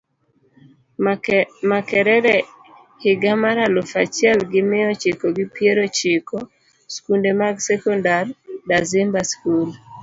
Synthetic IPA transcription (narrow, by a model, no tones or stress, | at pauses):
makɛɾɛɾɛ | hɪɡamaɾalɔfat͡ʃjɛlɡɪmɪɔt͡ʃɪkoɡɪpjeɾot͡ʃɪkʰo | skundemaɡsɛkɔndardazɪmbaskul